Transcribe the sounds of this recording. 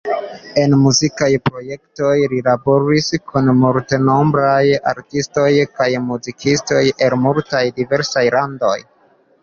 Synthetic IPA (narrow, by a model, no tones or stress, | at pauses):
e̞nmuzikajpɾo̞je̞kto̞jɾilabo̞ɾiskʰunmulteno̞mbɾaja̰ɾtisto̞jkajmuzikisto̞je̞lmultajdive̞ɾsajlando̞̰j